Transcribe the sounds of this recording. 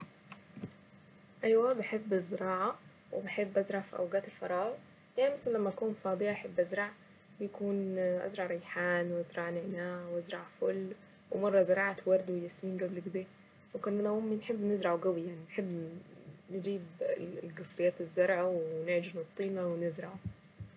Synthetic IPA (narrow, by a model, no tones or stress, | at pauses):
ʔajwabɪħebːɪzːɪɾˤɑːʕa | wɪbɪħɪbːʔazɾˤɑʕfiʔa̰wɡaːt̪ɪlfɑɾˤɑːɣ | jaʕnimasallːamːaʔakuːnfɑːd̪ˤɨjaʔħɪbːʔazɾˤɑʕ | bjkuːnʔa̰zɾˤɑʕɾˤɑjħaːnwʔazɾˤɑʕnɪʕnaːʕwʔazɾˤɑʕfʊlː | wɪmɑrˤːɑzɑɾˤɑːʕat̪wɑɾˤd̪wɪjasmiːnɡablɪɡd̪eː | wɪkʊnʔanamʊmːinħɪbːnɪzɾˤɑʕuɡawijaʕninħɪbː | nɪd͡ʒiːbɡɑsˤɾɪjːaːt̪ɪzːɑɾˤʕawnɪʕd͡ʒɪɾnɨt̪ˤːiːmawɪnɪzɾɑʕu